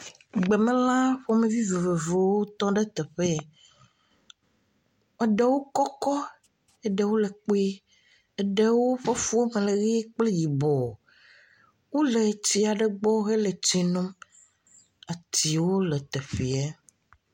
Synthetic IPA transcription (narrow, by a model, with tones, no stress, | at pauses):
ɡ͡be˨mẽ˦lã˦ɸo˦mẽ˨vi˦ve˨ve˨ve˨wo˦t̪ɔ̃˦ɖɛ˦t̪ɛ˨ɸe˦˨ | e˦ɖe˦wo˦kɔ˦kɔ˦ | e˦ɖɛ˨wo˦le˨k͡po˦e˦ | e˨ɖe˦wo˦ɸe˦fu˦o˦me˨le˨ɣi˦k͡ple˦ji˨bɔ˨ | wo˦le˨t̪i˦a˨ɖe˦ɡ͡bɔ˦ɣe˦le˨t͡ɕi˨nõ˦m | a˨t̪i˨wo˦le˨t̪e˨ɸi˨a˦